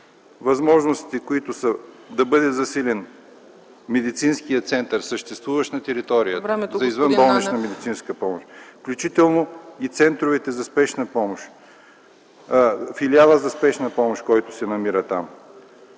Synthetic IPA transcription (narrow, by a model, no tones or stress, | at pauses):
vɐzmɔʒnʊst̪i̥t̪ɛkoit̪ʊsə | d̪ɐbɤd̪ɛzɐsilʲɛn | mɛd̪it̪sinskijət̪sɛnt̪əɾsəʃt̪ɛst̪vuvəʃt̪nɐt̪ɛɾit̪ɔɾijəɛzɐizvənbɔlˠnɛt͡ʃnɐmɛd̪it̪sinskəpɔmoʃfklʲut͡ʃit̪ɛlˠnoit̪sɛnt̪ɾovɛt̪ɛzɐspɛʃnəpɔmoʃ | filialˠəzɐspɛʃnəpɔmoʃkɔjt̪ʊ̥sɛnɐmiɾət̪am